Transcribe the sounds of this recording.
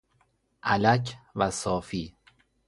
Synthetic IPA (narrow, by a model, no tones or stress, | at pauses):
ʔælæcʰvæsɒːfiː